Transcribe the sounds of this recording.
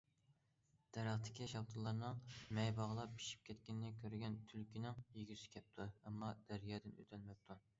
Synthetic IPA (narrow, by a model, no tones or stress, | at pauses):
d̪̥ɛɾæχt̪ʰɪ̥kʲiʃɑwt̪ʰɨlˠːɑɾnɨŋmɛjbɑʁlˠɑpʰi̥ʃi̥p̚kʲʰɛt̪kʲinɪnɪkʲʰøɾɡʲɛnt̪ʰylkʲʰinɪŋjiɡʲyɾsɪ̥kʲʰɛp̚t̪ʰuɛmːɑd̪̥æɾjɑːd̪ɨnø̰t̪ʰɛlmɛp̚t̪ʰu